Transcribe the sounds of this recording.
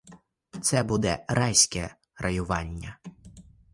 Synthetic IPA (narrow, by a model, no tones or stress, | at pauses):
t̪sɛbud̪ɛ̰ɾɑjsʲkɛ | rʔɐjʊʋɑnʲːɐ